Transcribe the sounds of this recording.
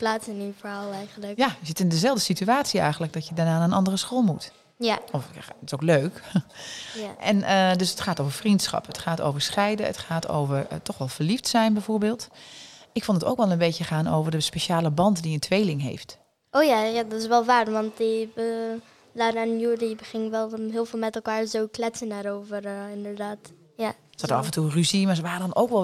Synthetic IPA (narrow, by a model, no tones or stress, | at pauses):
plaːtsɪnifəɹaːlˠɛjɣənləkjazɪtɪndəzɛlˠdəsityaːtsiɛ̰jxɣəntləɡ̚dɔtjədaɹnaːnanʔɑndərəsxolˠmut | ɔfɪsowkløːk | ʔɛnədøsətχaːtowvəɹfrintsxɑ̰pətχaːto̰ːvəɹsxɛjdəə̰tχaːtʰo̰ːwvərtɔxʋɛlˠvərliftsɛjnbɛjvoːɹbeːlˠt | ɪkfʊntəto̰ːkʋɛlˠənbejtjəχaːno̰ːwvərdəspeʃaːləbɑntdiəntʋejlɪŋɦḛːft | ʔoːjajadɔtɪsʋɛlˠʋaːrʋɑnt̚di | laɾanjudibəχɪŋʋɛlˠɦɪːlˠvɪːlˠmɛtɛlˠkaːɹzoːklɛtsənaɾowvərɪndəɹdaːt | ja | sɔtɑfənturyziməsʋaːədɔnoːkʋɛ